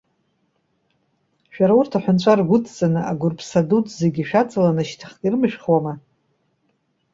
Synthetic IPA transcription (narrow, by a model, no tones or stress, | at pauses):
ʃᶣaɾaurtʰaħʷᶣʊnt͡ɕʷʰʼarɡʷʊtʰʼt͡sʼanɨʔaɡʷʊrpʰsadutʰʼze̞ɡʲiʃᶣat͡sʼalanɨʃtʰχkʲʼirɨmɨʃᶣχwama